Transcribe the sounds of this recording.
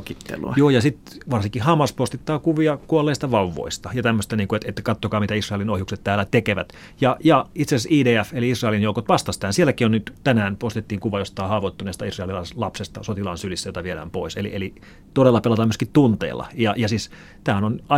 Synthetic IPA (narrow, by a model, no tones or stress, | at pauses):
kit̪ːḛlṵjoːjɑsit̪ʋɑrsiŋkːˑihɑmːɑspost̪it̪ːɑːkuʋiɑkuolːeˑːst̪ɑʋɑuʋːo̰ist̪ɑjɑt̪æmːøst̪æniːŋkuet̪et̪ːkɑt̪ːokɑːmit̪æisrɑelinohjukset̪tæːlːˑæt̪ekeʋæt̪ | jɑjɑit̪sesesiːdeːæfeliisrɑelinjoukot̪ʋɑst̪ɑst̪æhænsielːækionyt̪t̪ænæːnpost̪et̪ːiːŋkuʋɑjost̪ɑˑːhɑːʋoit̪ːuneːˑst̪ɑisrɑelilɑslɑpsest̪ɑsot̪ilɑ̰nsylisːæjot̪ɑʋieɾæ̰ːmpo̰iselḭeli | t̪oɾelːɑpelɑt̪ɑːmyøskitt̪unt̪ḛːlːɑ̰jɑjɑsiːs | t̪æːænonɑ